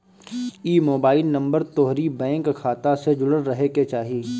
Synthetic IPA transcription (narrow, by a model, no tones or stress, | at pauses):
iːmoːbaːɪlnɐ̃mbəɾt̪ɔːɦɾibɛ̃ːŋkʰːaːt̪ased͡ʒʊɽənɾɐɦeket͡ʃaːɦiiː